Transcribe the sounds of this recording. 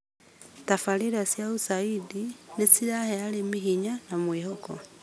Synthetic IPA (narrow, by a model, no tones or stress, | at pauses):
tafaliɾasjausaidinit͡siɾahealimihiɲanamwiːhoko̰